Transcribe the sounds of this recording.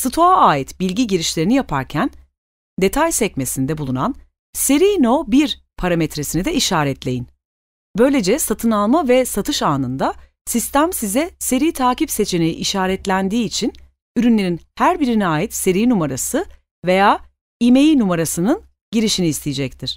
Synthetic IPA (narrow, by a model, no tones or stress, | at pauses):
sɯt̪ʰoaaːjit̪bilʲɟiɟiɾiʃlʲe̞ɾinijapʰa̰ɾcʰæn | d̪e̞t̪ʰajsɛc̚me̞sind̪ɛbulˠunan | se̞ɾiːno̞biɾ | pʰaɾamɛt̪ɾesinid̪ɛiʃaːɾɛt̪lʲe̞jin | bø̞jlʲe̞d͡ʒɛsat̪ʰɯnalˠmavɛsat̪ʰɯʃaːnɯnd̪a | sist̪æmsizɛse̞ɾiːt̪ʰaːcipse̞t͡ʃʰe̞ne̞jḭʔːʃaːɾɛt̪lʲænd̪iːt͡ʃʰin | yɾynlʲe̞ɾinhæɾbiɾiniaːjit̪se̞ɾijnumaɾasɯ | ve̞jaː | ime̞jinumaɾasɯnɯn | ɟiɾiʃiniːst̪ʰijid͡ʒɛct̪ʰiɾ̥